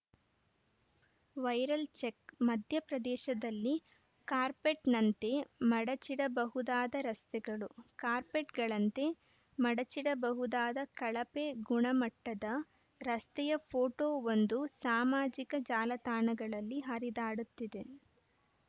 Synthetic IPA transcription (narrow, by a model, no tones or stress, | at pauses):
ʋɐjɾɐlt͡ʃekmɐd̪ʱjɐpɾɐd̪ɛːʃɐd̪ɐlːi | kaːɾpeʈnɐnt̪emɐɽɐt͡ʃiɽɐbɐɦud̪aːd̪ɐɾɐst̪ɛɡɐɭukaːɾpeʈɡɐɭɐnt̪e̞ | mɐɽɐt͡ʃiɽɐbɐɦud̪aːd̪ɐkɐɭɐpeɡuɳɐmɐʈːɐd̪ɐ | ɾɐst̪ɛjɐpʰoːʈoːond̪usaːmaːd͡ʒikɐd͡ʒaːlɐt̪aːɳɐɡɐɭɐlːiɦɐɾid̪aːɽut̪ːid̪e